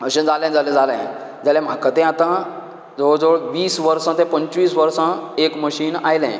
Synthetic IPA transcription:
əɕẽd͡zalẽd͡zalɛ̃d͡zalɛ̰̃ | d͡zalɛ̃m̤akət̪ɛ̃at̪ã | d͡zod͡zoɭʋiːsʋəɾsãt̪ɛ̃pə̃ɲt͡ɕʋiːsʋəɾsãekməɕiːnajlɛ̰̃

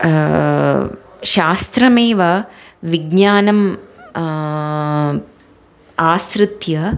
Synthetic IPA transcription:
ʃaːst̪ɾɐmeːʋɐʋiɡɲaːnɐm | aːst̪ɾɨt̪jɐ

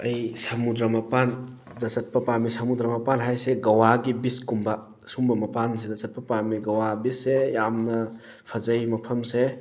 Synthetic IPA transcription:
ɐjsɐmud̪ɾɐmɐpanzɐsɐt̚pɐpamisɐmud̪ɾɐmɐpanɦajseɡɐwaɡibiskumba | sumbɐmɐpans̬ezɐsɐt̚pɐpamiɡɐwabisːejamnɐ | pʰɐzɐjmɐpʰɐmse

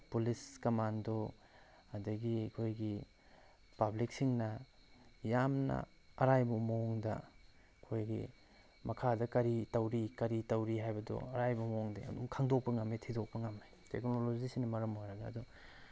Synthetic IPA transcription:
puliskɐmando | ɐdɐɡiɐkʰojɡi | pablik̚siŋnɐ | jamnɐ̰ɐɾajbɐmooŋdɐ̰ | kʰojɡḭ | mɐkʰadɐkɐɾitɐwɾikɐɾitɐwɾiɦajbɐdo̰ɐɾajbɐmooŋdeɐ̰dumkʰaŋdok̚pɐŋametʰidok̚pɐŋamːe | teknolod͡ʒisinɐmɐɾɐmojɾɐɡɐ̰ːdɔ

